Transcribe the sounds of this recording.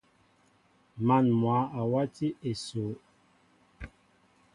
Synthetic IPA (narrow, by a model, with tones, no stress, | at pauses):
ma˨nmwa˨˦a˨wa˦ti˦ʔe˨so˨˦